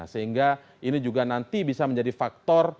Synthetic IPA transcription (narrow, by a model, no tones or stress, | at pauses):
a̰səɦiŋɡa | inid͡ʒuɡanant̪ibisaməɲd͡ʒadifak̚t̪ɔr